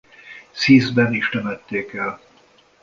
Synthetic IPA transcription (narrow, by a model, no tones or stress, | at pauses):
siːzbɛniʃt̪ɛmɛt̪ːeːkɛl